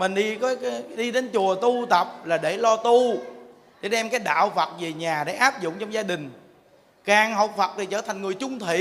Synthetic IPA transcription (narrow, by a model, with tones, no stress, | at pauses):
mï˨˩ŋ̟ɗi˧kɔ˨˦kːɗi˧ɗe˨˦nt͡ɕu˨˩ət̪u˧t̪ə˨˩p̚laː˨˩ɗe˧˩lɔ˧t̪u˧ | ɗe˧˩˦ɗɛ˧mkaː˨˦jɗa̰ː˧˨wfə˨˩t̚ve˨˩ɲaː˨˩ɗḛ˧˩ʔaː˦˥p̚zʊ̰˧˨ŋ͡mt͡ɕɔ˧wŋ͡mzaː˧ɗï˨˩ŋ̟ | kaː˨˩ŋɦə˨˩wk͡p̚fə˨˩t̚t̪ʰi˨˩t͡ɕəː˧˩t̪ʰa˨˩ŋ̟ŋɨ˨˩əjt͡ɕʊ˧ŋ͡mt̪ʰḭ˧˨